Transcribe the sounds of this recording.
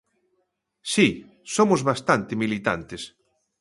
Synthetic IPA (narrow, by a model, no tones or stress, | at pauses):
si | somʊzβast̪ant̪emilit̪a̰nt̪es